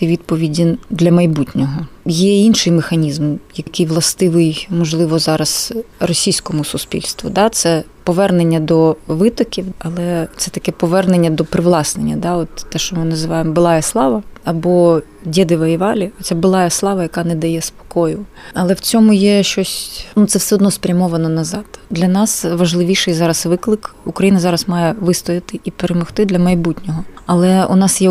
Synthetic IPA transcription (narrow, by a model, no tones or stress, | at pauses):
ʋʲid̪̚pɔʋʲidʲɪnd̪lʲɐmɐjbutʲnʲɔɦɔjɛinʃɪjmexɐnʲizmjɐkɪjʋlˠɐst̪ɪʋɪjmɔʒlˠɪʋɔzɑɾɐzrɔsʲijsʲkɔmʊsʊspʲḭlʲst̪ʋʊ̰d̪ɑt̪sɛpɔʋɛrnenʲːɐd̪ɔʋɪt̪ɔkʲiwɐlˠɛt̪sɛt̪ɐkɛpɔʋɛrnenʲːɐd̪ɔpɾɪʋlˠɑsnenʲːɐd̪ɑɔt̪ːɛʃt͡ʃɔmɪnɐzɪʋɑjemɔbɪlˠɑjɐslˠɑʋɐɐbɔ | dʲɛd̪ɪʋɐjiʋɑlʲiɔt͡sʲsʲabɪlˠɑjɛslˠɑʋɐjɐkɑnɛd̪ɐjɛspɔ̥kɔjʊ | ɐlˠɛwt͡sʲɔmʊjɛʃt͡ʃɔsʲnut̪sɛwsɛɔd̪nɔspɾʲɐmɔʋɐnɔnɐzɑd̪̥d̪lʲɐnɑsʋɐʒlˠɪʋʲiʃɪjzɑɾɐsʋɪklˠɪkukɾɐjinɐzɑɾɐsmɑjɛʋɪst̪ɔjɪt̪ɪʔipeɾemɔxt̪ɪd̪lʲɐmɐjbutʲnʲɔɦɔɐlˠɛṵnɑsjɛ